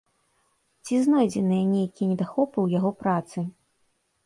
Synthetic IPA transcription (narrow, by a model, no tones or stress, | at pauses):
t͡sʲiznɔjd͡zʲɛnɨjɐnʲejkʲinʲɛd̪axɔpɨwjaɣɔpɾat̪sɨ